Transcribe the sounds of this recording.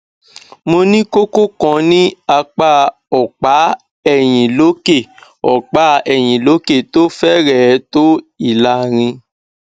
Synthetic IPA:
mo˧nĩ˦ko˦ko˦kɔ̃˧˦nĩ˦a˧k͡pa˦˨ | ɔ˨k͡pa˨˦ | ɛ˦˨j̃ĩ˨lo˨˦ke˦˨ | ɔ˨k͡pa˦ɛ˨j̃ĩ˨lo˨˦ke˦˨to˦fɛ˦ɾɛ˦˨˦to˦i˦˨la˨˦ɾ̃ĩ˧

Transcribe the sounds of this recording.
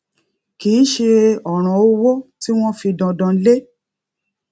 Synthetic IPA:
ki˨˦ʃe˧ɔ˨ɾ̃ã˨o˦wo˦ti˦w̃ɔ̃˦fi˧dɔ̃˧dã˧˦le˦

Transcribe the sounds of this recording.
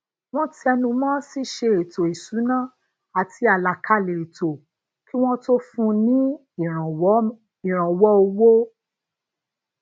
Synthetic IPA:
w̃ɔ̃˦ti˦ɛ˧nũ˧mãː˦si˦ʃe˧˨e˨to˨i˨su˨˦nã˦˨ | a˨tʰi˧a˨la˨kʰa˨˦˨le˨e˨to˨ | ki˦w̃ɔ̃˦to˦fũ˧nĩ˦˨˦ | i˨ɾ̃ã˨wɔ˦o˧wo˦

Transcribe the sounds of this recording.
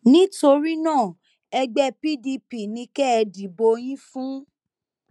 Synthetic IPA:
nĩ˦to˧ɾi˦nãː˦˨ | ɛ˧ɡ͡bɛ˧˦pi˦di˧pi˨nĩ˧kɛ˦ɛ˧di˨bo˧j̃ĩ˦fũ˦

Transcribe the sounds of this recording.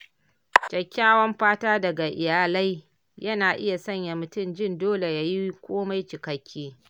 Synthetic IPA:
t͡ʃɐ˨kʲːaː˦wɐ˦mɸaː˦taː˦dɐ˨ɡa˨ʔɪ˨jaː˨la˦j | jɐ˦naː˨ʔɪ˦ja˨sɐ˦˨ɲja˨mʊ˨tʊ˦˨md͡ʒɪ˦˨ndoː˦le˨ja˦ji˦kʷoː˦ma˦jt͡ʃɪ˨kɐ˦kʲʰːiː˦

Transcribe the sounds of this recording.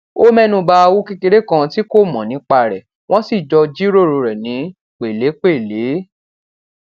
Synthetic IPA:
o˦mɛ˦˨nũ˧ba˦˧wu˦ke˧ke˧ɾe˦kã˧ti˦ko˦˨mɔ̃˨nĩ˨˦k͡pa˧ɾɛ˨ | w̃ɔ̃˦si˦˨d͡ʒɔ˧d͡ʒi˦ɾo˦˨ɾo˧˨ɾɛ˨nĩ˨˦ | k͡pe˨le˨˦k͡pe˦˨le˨˦

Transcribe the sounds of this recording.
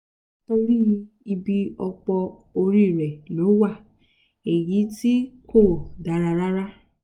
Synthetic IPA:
to˧ɾi˦˧ | i˧bi˧ɔ˧k͡pɔ˧ | o˧ɾi˦˨ɾɛ˨lo˨˦wa˦˨ | e˨ji˨˦ti˦kʰo˦˨da˨˦ɾa˧ɾa˦ɾa˦

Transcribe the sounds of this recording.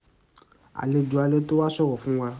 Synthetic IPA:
a̰˨le˧d͡ʒu˨˦a˨˧le˦to˦wa˦sɔ˦ɾɔ˨fũ˦wa˧

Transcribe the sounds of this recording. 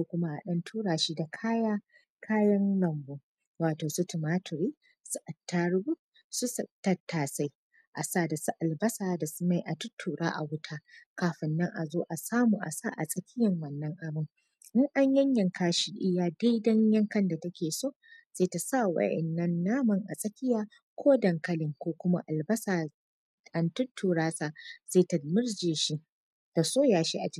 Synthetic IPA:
so˦kʷʊ˦ma˦ʔa̰˨ɗɐ˦ntʰuː˦ɽaː˨ʃi˦da˨kʰaː˦jaː˦ | kʰaː˦jɐ˦nlɐ˨mboː˨ | waː˨toː˨su˦tʊ˨maː˦tʊ˨ɾiː˦ | su˦ʔa˨tːaː˦ɽʊ˦bu˦ | su˦sɐ˨tːɐ˦tːaː˨sa˦j | ʔa˨saː˦˨da˨su˦ʔa˨lbɐ˦saː˨da˨su˦ma˨jʔa˨tʊ˦tʰːuː˨ɽaː˦ʔa̰˨wʊ˦tʰaː˦kaː˨ɸɪ˨nːɐ˦ŋʔa˨zoː˦ʔa˨saː˦muː˨ʔa̰˨saː˦˨ʔa˨sʼɐ˨kʲɪ˦jɐ˨ŋwɐ˨nːɐ˦ŋʔa˨bɪ˦ŋ | ʔɪ˦ŋʔa˦ɲjɐ˦ɲjɐ˨ŋkʰaː˦ʃi˦ʔɪ˦jaː˨da˦jdɐ˦ɲjɐ˦ŋkɐ˦nda˨tɐ˦kʲeː˨soː˦˨z̥eː˦ta˨sa˦˨wɐ̰˦˨ʔɛ̰˨nːɐ˦nːaː˦mɐ˨ŋʔa̰˨sʼɐ˦kʲɪ˦jaː˨ | kʷoː˦dɐ˨ŋkɐ˦lɪ˨ŋkʷoː˦kʷʊ˦ma̰˦ʔa˨lbɐ˦saː˨ | ʔa˨ntʊ˦tːuː˨ɾaː˦sa˨z̥eː˦˨ta˨mɪ˦rd͡ʒeː˨ʃi˦ | ta˨soː˦jaː˨ʃi˦ʔa˨d͡ʒɪ˦˨

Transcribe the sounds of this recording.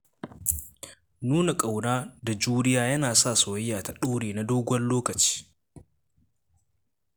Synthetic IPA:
nuː˦na˨kʼa˨wnaː˦da˨d͡ʒuː˦ɽɪ˦jaː˦jɐ˦naː˨sa˦˨soː˨jjaː˨ta˨ɗoː˦ɽeː˨na˨doː˦ɡʷɔ˦nloː˦kɐ˨t͡ʃi̥ː˦

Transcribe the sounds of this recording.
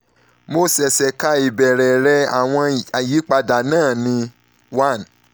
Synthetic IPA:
mo˦sɛ˨sɛ˨ka˧i˨bɛ˨ɾɛ˨ɾɛ˧˦a˨w̃ɔ̃˧a˨ji˨˦k͡pa˧da˨nãː˦˨nĩ˧ | wa˦˨n

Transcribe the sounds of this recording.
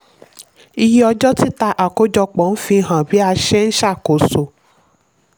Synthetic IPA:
i˧ji˦ɔ˧d͡ʒɔ˦ti˦ta˧ʔa˨ko˨˦d͡ʒɔ˧k͡pɔ̃˨˦n̩˦fĩ˧ɦã˨bi˨˦a˧ʃɛ˦n̩˦ʃa˦˨ko˨˦so˨

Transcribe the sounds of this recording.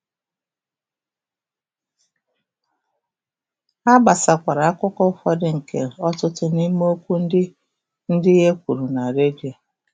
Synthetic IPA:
a˦ba˨sa˨kʷa˨ɾa˨a˦kʷʊ˦kɔ˦fɔ˦dɪ˦ŋ̩˨kʰḛ˨lɔ˦tʊ˦tʊ˦ni˦m˦o˦kʷu˦n̩˦dɪ˦ | n̩˦dɪ˦ɦe˦kʷu˨ɾu˨na˨ɾe˦di˨a˨

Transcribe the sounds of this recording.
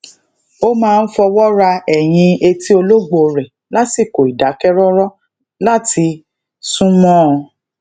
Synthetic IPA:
o˦mãː˧n̩˦fɔ˧wɔ˦ɾa˧ɛ˨j̃ĩ˧e˧ti˦o˧lo˦ɡ͡bo˧˨ɾɛ˨ | la˦si˦˨ko˨i˨da˨˦kɛ˦ɾɔ˦ɾɔ˦ | la˦ti˧ | sũ˦mɔ̃˦ɔ˧

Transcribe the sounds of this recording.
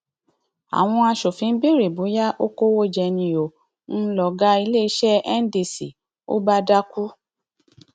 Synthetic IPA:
a̰˨w̃ɔ̃˧a˧ʃo˨fĩ˨˦n̩˦bi˦ɾe˨bu˨˦ja˦ʔo˦ko˦wo˦d͡ʒɛ˧nĩ˧o˨ | n̩˦lɔ˨ɡa˦i˧le˦i˧˦ʃɛ˦ɛ˦n̩˦di˧˨si˨ | o̰˦ba˦da˦ku˦

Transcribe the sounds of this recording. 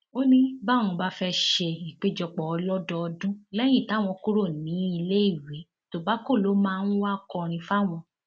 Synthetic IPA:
o˦nĩ˦ba˦˨w̃ɔ̃˧ba˦fɛ˧ʃe˧ĩ˨k͡pe˨˦d͡ʒɔ˧k͡pɔ˨ɔ˧lɔ˦dɔ˧ɔ˧dũ˦lɛ˦j̃ĩ˦˨ta˨˦˨w̃ɔ̃˧ku˦ɾo˦˨nĩ˨˦i˧le˦i˦˨we˨˦ | to˨ba˨˦ko˦˨lo˨˦mãː˦˧n̩˦wa˦˨kɔ˨˧˨ɾ̃ĩ˧fa˦w̃ɔ̃˧

